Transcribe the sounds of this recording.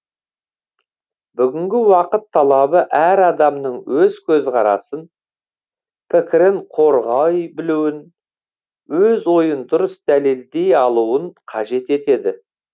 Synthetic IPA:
bʏɡʲɪŋɡʲɪwɑqət̪ʰːɑlˠɑbəʔæɾɑd̪ɑmnəɴwʔɵzkʲʰɵzqɑɾɑ̰sən | pʰɪkʲɪɾɪɴqʰo̞ɾʁɑjbɪluwɪn | wɵzwo̞jənd̪ʊɾəsd̪æle̞ld̪e̞jɑlˠuəɴqʰɑʒe̞t̪e̞t̪e̞d̪ɪ

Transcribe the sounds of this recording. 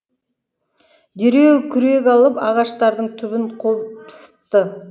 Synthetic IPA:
d̪eɾe̞wkʲʰʏɾe̞kʲɑlˠəpɑʁɑʃt̪ɑɾd̪əɴt̪ʰʏβɪɴqʰopsə̥t̪ːə

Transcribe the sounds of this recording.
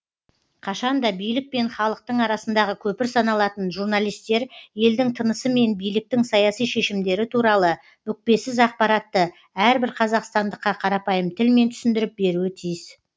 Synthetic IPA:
qʰɑʃɑnd̪ɑbijlɪk̚pe̞nχɑlˠəq̚t̪əɴɑɾɑsənd̪ɑʁəkʲʰɵpɪɾsɑnɑlˠɑt̪ənʒuɾnɑlˠijst̪e̞ɾje̞ld̪ɪŋt̪ʰənəsəme̞nbijlɪk̚t̪ɪŋsɑjɑsijʃe̞ʃɪmd̪e̞ɾɪt̪ʰuɾɑlˠə | mʏk̚pe̞sɪzɑq̚pɑɾɑt̪ːə | æɾbɪɾqʰɑzɑqst̪ɑnd̪əqːɑqʰɑɾɑpɑjəmt̪ʰɪlme̞nt̪ʰʏsɪnd̪ɪɾɪp̚be̞ɾuɪt̪ʰijɪz

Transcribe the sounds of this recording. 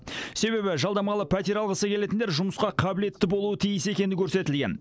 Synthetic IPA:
se̞βe̞bɪʒɑlˠd̪ɑmɑlˠəpʰæt̪ʲeɾɑlˠʁəsəkʲele̞t̪ɪnd̪eɾʒʊməsqɑqʰɑbɪle̞t̪ːɪbolˠuət̪ʰijəse̞kʲe̞nɪkʲʰɵɾse̞t̪ɪlɡʲe̞n

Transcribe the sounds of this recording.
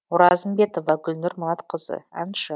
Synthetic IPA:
ʊɾɑzəmbe̞t̪o̞vɑɡʲʏlnɪɾmʊlˠɑt̪qʰəzə̰a̰nʃə

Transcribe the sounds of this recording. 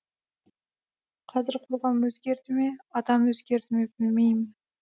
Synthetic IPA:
qʰɑzɪɾqʰʊlˠʁɑmɵzɡʲe̞ɾt̪ɪmeɑd̪ɑmɵzɡʲe̞ɾt̪ʰɪmebɪlmejmɪn

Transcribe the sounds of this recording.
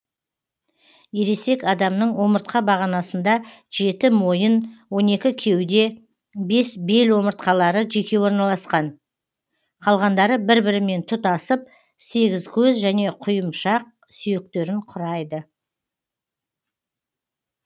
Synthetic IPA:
jeɾe̞se̞kɑd̪ɑmnəɴwo̞məɾt̪̚qɑbɑʁɑnɑsənd̪ɑ | ʒ̥e̞t̪ɪmo̞jənwo̞ne̞kʲɪkʲʰe̞wd̪e̞ | be̞sbe̞lwo̞məɾt̪qɑlˠɑɾəʒe̞kʲe̞wo̞ɾnɑlˠɑsqɑn | qʰɑlˠʁɑnd̪ɑɾəbɪɾbɪɾɪme̞nt̪ʰʊt̪ɑsəp̚ | se̞ɡʲɪzkʲʰɵzʒæne̞qʰʊjəmʃɑq̚ | sʏje̞k̚t̪e̞ɾɪɴqʰʊɾɑjd̪ə

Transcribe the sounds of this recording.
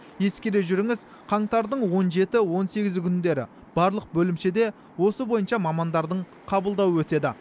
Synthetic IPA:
je̞skʲeɾe̞ʒʏɾɪŋɪz | qʰɑɴt̪ɑɾd̪əɴwo̞nʒe̞t̪ɪwo̞nse̞ɡʲɪzkʲʰʏnd̪e̞ɾɪ̰ | b̥ɑɾlˠəq̚bɵlɪmʃed̪e̞ | wo̞səbo̞jənʃɑmɑmɑnd̪ɑɾd̪əɴ | qʰɑbəlˠd̪ɑwəwɵt̪e̞d̪ɪ

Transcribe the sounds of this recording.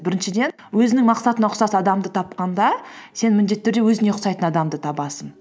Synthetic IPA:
bɪɾɪnʃɪd̪e̞n | wɵzɪnɪŋmɑqsɑt̪ənɑqʰʊsɑsɑd̪ɑmd̪ət̪ʰɑp̚qɑnd̪ɑse̞nmɪnd̪e̞t̪ːʏɾd̪e̞wɵzɪne̞qʊsɑjt̪ənɑd̪ɑmd̪ət̪ʰɑbɑsən

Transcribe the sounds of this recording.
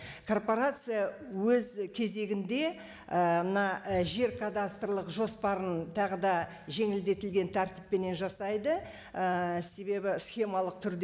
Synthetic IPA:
kʰo̞rpo̞ɾat̪sɨjawɵzkʲʰe̞ze̞ɡʲɪnd̪e̞ | əmənɑʒe̞ɾkʰad̪ast̪rlˠəqʒo̞spɑɾənt̪ʰɑʁəd̪ɑ | ʒe̞ŋɪld̪e̞t̪ɪlɡʲe̞nt̪ʰæɾt̪ɪ̥pːe̞ne̞nʒɑsɑjd̪ə | əse̞be̞bɪsχʲe̞mɑlˠəq̚t̪ʰʏɾd̪

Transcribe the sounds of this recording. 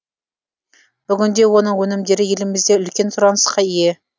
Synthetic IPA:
b̥ʏɡʲɪnd̪e̞wo̞nəɴwɵnɪmd̪e̞ɾɪje̞lɪmɪzd̪e̞ʏlkʲe̞nsʊɾɑnəsqɑije̞

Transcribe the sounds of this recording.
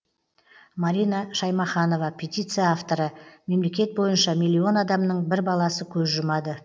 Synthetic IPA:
maɾijnɑʃɑjmɑχɑno̞vɑpʰʲe̞t̪ʲijt̪sɨjaaft̪o̞ɾəme̞mle̞kʲe̞t̪̚bo̞jənʃɑmʲijlʲːio̞nɑd̪ɑmnəɴbɪɾbɑlˠɑsəkʲʰɵzʒʊmɑd̪ə

